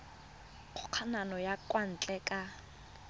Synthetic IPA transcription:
q͡χʰʊq͡χʰananɔjakʼwan̩t͡ɬʼɛkʼa

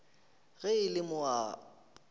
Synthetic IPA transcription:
ɣɛɪlɪmʊa

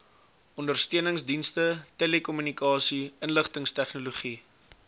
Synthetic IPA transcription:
ɔndərstøənəŋsdinstətelekɔmynikɑːsiənləχtəŋstɛχnoluχi

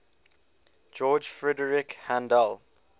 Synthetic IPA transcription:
d͡ʒɔːd͡ʒfɹɛdəɹɪkhãndəl

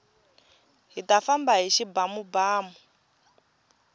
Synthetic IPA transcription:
ɦitafambaɦiʃibamubaːmu

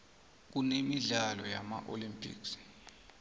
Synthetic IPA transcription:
k̬unemiɮalɔjamaʔolimpʰʼḭːks

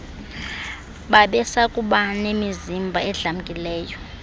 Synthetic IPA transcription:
ɓaɓɛsakʼuɓanemizimbʱaɛɮam̩kʼilɛːjɔ

